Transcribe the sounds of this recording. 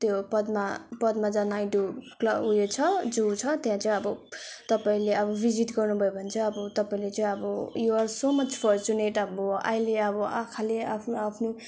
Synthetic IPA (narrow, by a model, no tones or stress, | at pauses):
t̪jopʌd̪mapʌd̪mad͡zanjʈuklʌujet͡sʰʌd͡zut͡sʰʌt̪jãt͡sʌĩʌbʌt̪ʌpaĩleʌbʌbʱid͡zit̪ɡʌrnubʱʌjobʱʌnt͡sʰʌʌbʌt̪ʌpaĩlet͡sʌĩʌbʌjuʌrsomʌt͡spʰʌɾt͡suneʈʌbʌa̰jleʌbʌʔakʰaleapʰnoapʰno